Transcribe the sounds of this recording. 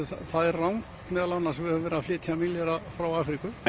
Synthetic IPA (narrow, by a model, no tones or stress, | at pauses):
θaðɛɾrːawmt̪mɛːðalanːaɾsvɪhœːʏ̃vɛːɾaflɪːt̪ʰjamiljɛɾafɾawaːfɾikʏ